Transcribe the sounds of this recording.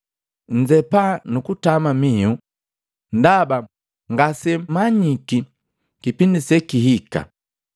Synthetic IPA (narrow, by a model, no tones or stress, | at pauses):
n̩d͡ʒɛpanukutamamiu | ndaba | ŋɡasɛmaɲiki | kipindisɛkiɦika̰